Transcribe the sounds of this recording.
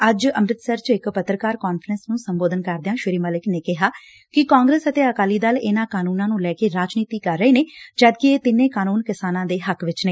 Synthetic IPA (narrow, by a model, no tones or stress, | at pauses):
əd͡ʒəmɾɪt̪səɾt͡ʃɪkpət̪ːɾəkaːɾkaːnfʰɾənsnũːsəmboːd̪ənkəɾd̪ɪjãːʃɪɾiːməlɪkneːkɪɦaː | kɪkaːŋɡɾeːsət̪eːəkaːliːd̪aːlɪnaːkaːnuːnãːnũːlɛːkeːɾaːd͡ʒniːt̪iːkəɾːəeːneːd͡ʒaːd̪̚kɪeːt̪ɪnẽːkaːnuːnkɪsaːnãːd̪eːɦəkʋɪt͡ʃneː